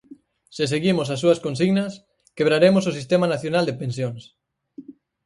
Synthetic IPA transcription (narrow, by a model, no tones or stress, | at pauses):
sɪseɣimos̬asːuɐskonsiɣnɐs | keβ̞ɾaɾemos̬osist̪emanaθjonald̪epensjoŋs